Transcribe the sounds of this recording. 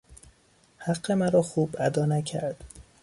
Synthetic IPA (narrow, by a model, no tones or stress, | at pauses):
hæɢːemæɾɒːxuːbæd̪ɒːnæcʰæ̰ɾd̪̥